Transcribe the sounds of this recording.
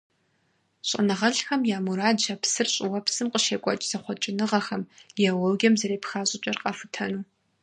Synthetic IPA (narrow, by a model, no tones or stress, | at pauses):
ɕʼɐ̰nɨʁɐɬxɐmjaːmuɾaːdʒɐpsɨrɕʼɪwɐpsɨmqʼəʃeːkʷʼɔt͡ʃʼz̥ɐχʷɔt͡ʃʼɪnɨʁɐxɐmɐwɔwɡʲɐmzɐɾeːpxaːɕʼɪt͡ʃʼɐrqʼɑfɨtʰɐnuː